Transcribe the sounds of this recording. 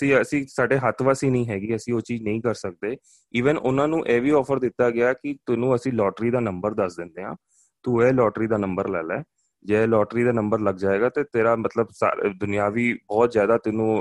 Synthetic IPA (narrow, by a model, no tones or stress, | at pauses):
sĩːəsĩːsaːɖeːɦət̪ʰʋaːsiːnəĩːɦɛːɡiːəsĩːoːt͡ʃiːd͡ʒnə̃ĩːkəɾsək̚d̪eː | iːʋənʊnãːnũːʔɛːʋiːɔːfʰəɾd̪ɪt̪ːaːɡɪaːkɪt̪ʊnũːəsĩːlɔːʈɾiːd̪aːnəmbəɾd̪əsd̪ɪ̃nd̪eːɦãː | t̪uːɛːlɔːʈɾiːd̪aːnə̃mbəɾlɛːlɛ̰ː | d͡ʒɛːlɔːʈɾiːd̪aːnəmbəɾləɡd͡ʒaːeːɡaːt̪eːt̪eːɾaːmət̪ləbsa̰ːd̪ʊnijaːʋiːbɔːt̪zjaːd̪aːt̪ʊnũː